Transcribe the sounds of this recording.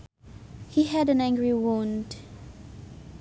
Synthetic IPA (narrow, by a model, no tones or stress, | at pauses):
hiɦədə̃næ̃ŋɡɹiwɔ̃nd